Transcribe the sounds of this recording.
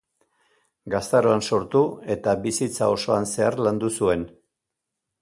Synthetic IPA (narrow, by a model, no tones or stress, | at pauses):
ɡast̪aɾoanso̞ɾt̪ue̞t̪aβisit͡sao̞so̞anse̞aɾland̪usue̞n